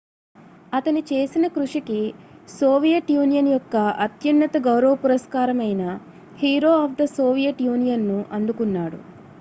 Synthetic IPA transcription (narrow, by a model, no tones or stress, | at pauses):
ɐt̪ɐnit͡ʃe̞ːsinɐkɾuʂikisoːʋijɐʈjuːnijɐnjɔkːɐɐt̪jɐnːɐt̪ɐɡɐwɾɐʋɐpuɾɐskaːɾɐmɐjnɐ | hiːɾoːaːfd̪ɐsoːʋijɐʈjuːnijɐnːuʔɐnd̪ukunːaːɽṵ